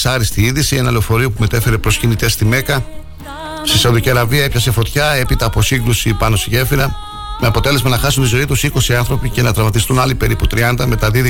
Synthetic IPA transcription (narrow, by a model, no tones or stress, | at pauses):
sɐɾist̪iiðisie̞nɐle̞ofo̞ɾiopume̞t̪e̞fe̞ɾepɾo̞scinit̪e̞st̪ime̞kɐ | st̪isɐuðiciɐɾɐviɐe̞pçɐse̞fo̞t̪çɐe̞pit̪ɐːpo̞siŋɡɾusipɐno̞st̪iʝe̞fiɾɐ | me̞ɐpo̞t̪e̞le̞zmɐnɐxɐsunt̪izo̞it̪usiko̞siɐnθɾo̞pice̞nɐt̪ɾɐvɐt̪ist̪unɐlipe̞ɾiput̪ɾiɐnd̪ɐme̞t̪ɐðið